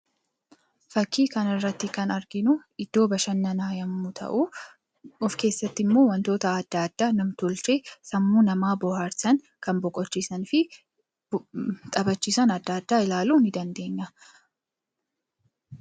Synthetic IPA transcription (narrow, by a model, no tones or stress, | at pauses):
fɐkːiːkɐnɪrːɐt̪ːɪkɐnɐɾɡɪnʊɪd̪ːo̞ːbɐʃɐnːɐnaːjɐmːʊt̪ʰɐ̰ʔu | ɔfke̞ːsːɐt̪ːɪmːo̞ːwɐnt̪o̞ːt̪ɐɐd̪ːaːd̪̥ːaːnɐmt̪ʊlt͡ʃeːsɐmːuːnɐmaːbɔhaːɾsɐn | kɐnbɔkʼɔt͡ʃːiːsɐnfɪ | t̪ʼɐbɐt͡ʃːiːsɐnɐd̪ːaːd̪ːaːɪlaːluːnɪd̪ɐnd̪e̞ːɲːɐ